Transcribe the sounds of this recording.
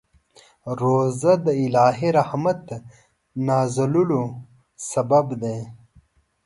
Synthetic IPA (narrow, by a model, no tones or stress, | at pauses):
ɾoːzɐd̪əilaːɦiɾahmɐt̪ | naːzɐlulo | sɐbɐbd̪e